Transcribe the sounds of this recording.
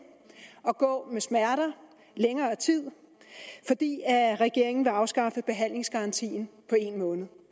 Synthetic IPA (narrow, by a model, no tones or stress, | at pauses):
ɒ̽ɡ̥ɔ̰̽ːmesmæɐɾɐ | leŋɐːt͡sʰið̰ˠ | fɒ̽d̥ḭːæʁɛɡ̥e̝ɐ̰e̝ŋn̩ʋe̝ɑ̈ʊsɡ̥ɑ̈fəb̥e̝ɦæn̰le̝ŋsɡ̥ɑ̈ɑ̈nt͡sʰḭːn̩pʰɒ̽e̝nmɔ̽ːnð̩ˠ